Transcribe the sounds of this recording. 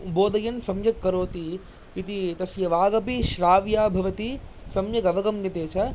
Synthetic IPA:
boːd̪ɐjɐnsɐmjɐkːɐɾoːt̪iː | t̪it̪ɐsjɐʋaːɡɐpiʃɾaːʋjaːbʱɐʋɐt̪isɐmjɐɡɐʋɐɡɐmnɐt̪eːt͡ʃʰɐ

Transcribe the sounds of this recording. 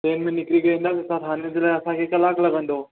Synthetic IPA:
ʈeːnminːɪkliɡɐĩːnd̪at̪esat̪ɦaːnĩnd͡ʑlajɐsãkʰeːkɐlaklɐɡə̃nd̪oː

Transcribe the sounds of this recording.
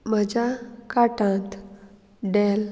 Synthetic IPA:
məd͡ʑakaʈãt̪ | ɖel

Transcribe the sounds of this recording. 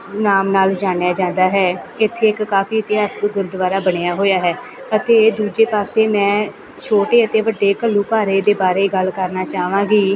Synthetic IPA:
naːmnaːld͡ʒaːnejaːd͡ʒãːnd̪aːɦɛːɪt̪ʰːeːɪkːaːfʰiːɪt̪ɪɦaːskɡ̪ʊɾd̪ʋaːɾaːbəɽejaːɦoːjaːɦɛː | ət̪eːd̪uːd͡ʒeːpaːseːmɛ̃ː | t͡ʃʰoːʈeːət̪eːʋəɖːeːkəlːuːkaːɾeːd̪eːbaːɾeːɡəlkəɾnaːt͡ʃaːʋãːɡiː

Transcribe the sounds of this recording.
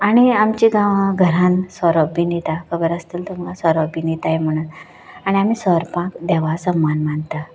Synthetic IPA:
aɽ̃iamt͡ɕiɡãʋɡʱəɾãnsɔɾəbinet̪akʰəbəɾəst̪iːlt̪umalasɔɾəbinet̪ajem̤əɽ̃ut̪ | aɽ̃iam̤iːsəɾpãkd̪ɛʋasəmːanmant̪a

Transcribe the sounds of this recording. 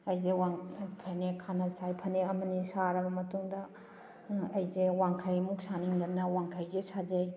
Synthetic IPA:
ɐjzewaŋpʰɐnekʰanɐsajpʰɐneɐmɐnisaɾɐbɐmɐtuŋdɐ | ɐjzewaŋkʰajmuk̚saniŋdɐnːɐwaŋkʰajzesʰad͡ʒej

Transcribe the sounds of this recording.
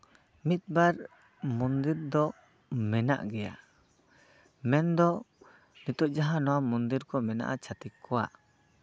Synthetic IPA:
mit̪̚baɾ | mund̪iɾd̪ɔ | mɛna̰ʔɡɛja̰ | mɛnd̪ɔ | nit̪ɔʔ̚d͡ʒaɦãnɔwamɔnd̪iɾkɔmɛna̰ʔat͡ʃʰat̪ikʰːɔwa̰

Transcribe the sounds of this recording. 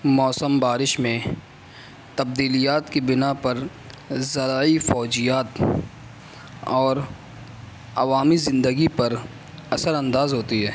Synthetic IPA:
mɔːsəmbaːɾɪʃmẽ | t̪ɐb̚d̪iːlijaːt̪kibɪnapɐɾ | zɐɾaːifɔːd͡ʒijaːt̪ | ɔːɾ | ɐ̰ʋaːmizɪ̃nd̪əɡipɐɾ | ɐsəɾɐ̃nd̪aːzɦoːt̪iɦɛː

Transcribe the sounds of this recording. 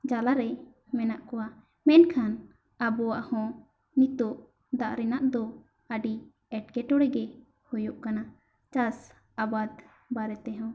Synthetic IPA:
d͡ʒalaɾɛ | mɛnaʔkɔwa | mɛnkʰan | abɔwaʔhɔ̃ | nit̪ɔʔ | d̪aʔɾɛnaʔd̪ɔ | əɖi | ɛʈ̚kɛʈɔɽɛɡɛ | hɔjɔʔkana | t͡ʃas | abad̪ | baɾɛt̪ɛɦɔ̃

